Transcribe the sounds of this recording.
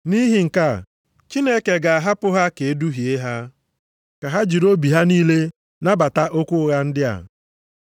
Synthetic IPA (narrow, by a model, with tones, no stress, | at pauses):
ni˦ɦi˨ŋ̩˨ka˦˨ | t͡ʃi˦ne˦ke˨ɡa˨a˨ɦa˦pʊ˦ɦa˦ke˨e˦du˦ɦi˨e˦ɦa˦ | ka˨ɦa˦d͡ʒi˨ɾo˦bi˨ɦa˦niː˦le˦ | na˦ba˨ta˦ʔo˦kʷʊ˦ɣa˦n̩˦dɪ˦a̰˨